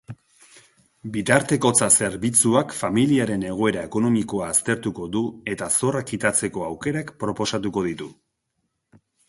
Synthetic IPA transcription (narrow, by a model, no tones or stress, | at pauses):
bit̪aɾt̪e̞ko̞t͡sase̞ɾβit͡suakfamiliaɾe̞ne̞ɣ̞o̞e̞ɾae̞ko̞no̞miko̞aːst̪e̞ɾt̪uko̞d̪ue̞t̪aso̞rakit̪at͡se̞ko̞awke̞ɾakpɾo̞po̞sat̪uko̞ðit̪u